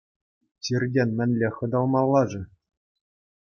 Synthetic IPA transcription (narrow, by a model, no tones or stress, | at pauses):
t͡ɕirʲdʲenʲmʲɘ̆nʲlʲeχɤ̆d̪ɑlˠmɑlˠːɑʐɤ̆